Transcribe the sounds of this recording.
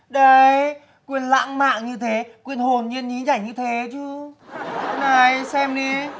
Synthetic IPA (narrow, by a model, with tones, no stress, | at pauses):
ɗə˧j | kwi˧˨ənla̰ː˧˥ŋma̰ː˧˨ŋɲɨ˧t̪ʰe˨˦kwi˧˨ənho˨˩nɲi˧ənɲi˨˦t͡ɕaː˧˩jɲɨ˧t̪ʰe˨˦t͡ɕɨ˧˦˨ | na˨˩jsɛ˧mɗi˧